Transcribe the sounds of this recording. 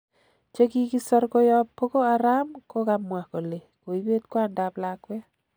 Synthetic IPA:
t͡ʃe˦ki˦ki˦sɔ˦rko˦jɔ˦pːo˦ko˦a˨ɾa˦mko˦kamwa˨ko˨le˨ko˨i˦be˦t̪kwa˦nda˨plakwɛ˦

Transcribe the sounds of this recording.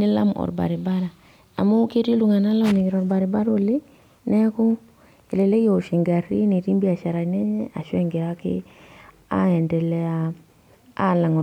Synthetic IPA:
ni˦la̰˦mɔ̰˨ɾba̰˨ɾi˨ba˦ɾa˨ | a̰˨mo˦ke˦ti˦lu˨ŋa˨na˦la˦˨ni˨ki˨ɾɔ˨ɾba˨ɾi˨ba˦ɾo˦li˦ | nɛ˦ku˦ | i˨le˨le˦jo˨ʃi˨ŋɡa˨ɾḭ˦ni˨ti˦mbi˦a˨ʃa˨ɾa˨nɛ˦ɲɛ˦a˨ʃwe˦ŋɡe˨ɾa˦kɪ̰˦ | a̰˦ɛ˨ndɛ˨lɛ˦a˦ | a˦˨la˨ŋ˨

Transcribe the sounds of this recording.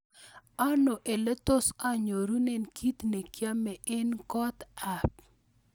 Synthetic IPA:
a˦no˨ʔe˨le˦t̪o˦sa˦ɲo˨ɾu˦nɛ˨nkʰi˦t̪ne˨kja˦mɛ˨ʔɛ˦nkɔ˦t̪a˨p

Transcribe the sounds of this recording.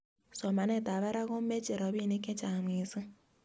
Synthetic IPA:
sɔ˨ma˨nɛ˦˨ta˨βa˦ɾa˦ɣo˦m̩˦me˦t͡ʃe˨ɾɔ˨βi˦˨ne˦ke˦t͡ʃa˨m˨i˨si˦

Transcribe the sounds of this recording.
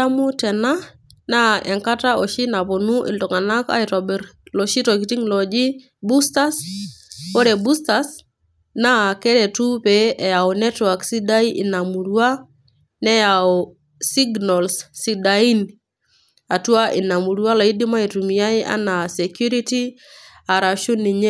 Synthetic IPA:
a˦mu˦tɛ˨na˦ | na˦ɛ˨ŋka˦ta˦ɔ˨ʃi˦na˨po˨nu˦ʔḭ˨ndɔ˨ŋa˨na˦ka̰˦i˨tɔ˨bɛ˨ɾlɔ˨ʃi˦tɔ˨k̬i˨ti˦ŋlɔ˨d͡ʒi˦ | bu˦sta˦s | o˦ɾɛ˨bu˦sta˨s | na˦˨kɛ˦ɾɛ˨tu˦peʔɛ˨ja˨o˨nɛ˦twa˨ksi˦da˦i˦ʔɪ˨na˨mu˨ɾua˦ | nɛ˦ja˨ɔ | si˦ɡnɔ˨lsːi˦dai˦n | a˨twa˦ʔɪ˨na˨mu˨ɾuwa˦la˨i˦di˦ma˦i˨tu˨mi˨ja˦ɪ˦a̰˦na˨sɛ˨kju˦ɾi˦ti˦ | a˨ɾa˨ʃu˦ni˨ɲe˦

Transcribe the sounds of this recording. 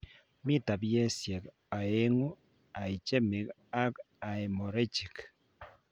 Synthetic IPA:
mi˦ta˨βje˦sje˨k | a˨e˦ŋu˦ | a˨i˨t͡ʃe˦mi˨k | a˦k | a˨e˨mo˨ɾe˦t͡ʃi˨k

